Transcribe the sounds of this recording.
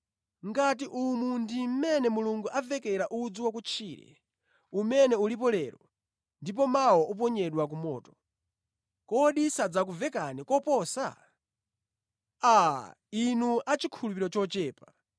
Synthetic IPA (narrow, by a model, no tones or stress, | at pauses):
ŋɡat̬iʔumundim̩mɛnɛmuluŋɡuʔavɛkɛɾaʔud͡zuwak̬ut͡ʃʰiːɾɛ̰ | umɛnɛulip̬ɔlɛɾɔ | ndip̬ɔmawɔʔɔp̬ɔɲɛɗwak̬umɔ̰ːtɔ̥ | kɔɗisad͡zak̬uvɛkanɛkɔpɔsa̰ | a | inuat͡ʃikʰulupiɾɔt͡ʃɔt͡ʃɛːpa